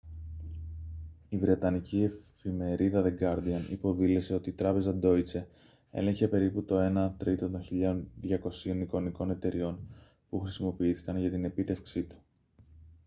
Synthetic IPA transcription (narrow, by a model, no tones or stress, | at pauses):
ivɾe̞t̪ɐnicie̞fime̞ɾiðɐðe̞ɡɐɾd̪iɐnḭpo̞ðile̞se̞o̞t̪iːt̪ɾɐpe̞zɐd̪o̞it͡se̞ | e̞̰le̞ɲçe̞pe̞ɾiput̪o̞e̞nɐt̪ɾit̪o̞t̪o̞nçiʎɐonðʝɐko̞sio̞niko̞niko̞ne̞t̪e̞ɾio̞n | puxɾisimo̞piiθi̥kɐnʝɐt̪ine̞pit̪e̞fksit̪u̥